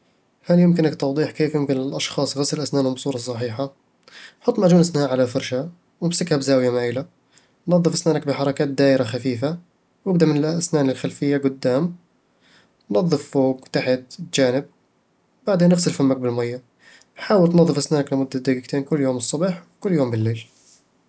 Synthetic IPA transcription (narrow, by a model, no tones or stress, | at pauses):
haljɪmkɪnakt̪ɑwd̪ˤiːħkeːfjɪmkɪnɪlʔɑʃxɑːsˤɣasɪlʔasnaːnʊbsˤuːɾˤɑs̬ˤːɑħiːħa | ħʊt̪ˤːmaʕd͡ʒuːnʔasnaːʔʕalafɑɾˤʃa | wɪmsɪkhabzaːwjamaːjɪla | nnɑðˤːɨfʔasnaːnak̚bɪħɑɾˤɑkaːt̪̚d̪aːʔɪɾaxafiːfa | wɪb̚d̪amɪnɪlʔʔasnaːnɪlxalfɪjːaɡʊd̪ːaːm | nnɑðˤːɨffoːɡt̪aħɪd̪t̪d͡ʒaːnɪb̚ | wbaʕd̪eːnːɪɣsɪlfamːak̚bɪlmajːa | ħaːwɪlt̪nɑðˤːɨfʔasnaːnaklɪmʊd̪ːad̪ːaɡɪkt̪ʰeːnkʊlːjoːmɨsˤːɑbiːħwkʊlːjoːmbɪlːeːl